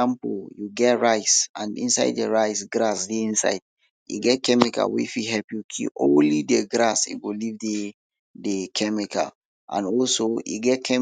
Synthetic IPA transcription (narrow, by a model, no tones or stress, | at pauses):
ãmpəljuɡɛtɹaɪsãnḭ̃nsa̰ɪddəɹaɪsɡɹasdeĩnsa̰ɪd̥̚ | jṵɡɛt̚kɛmika̰wḭfiɦɛpjukʰḭʔõnlideɡɹasḭɡolivde | dekʰɛmikʰa̰ | ʔã̰nɔlsoḭɡɛt̚kʰɛ